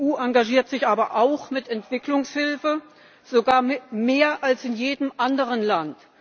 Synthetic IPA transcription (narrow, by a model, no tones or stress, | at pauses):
uːʔaŋɡaʒiːɐtz̥ɪçʔaːbɐʔaʊxmɪtɛntv̥ɪklʊŋshɪlfə | z̥oɡaːɐmmeːɐʔalsɪnjeːdəmʔandəʁənlant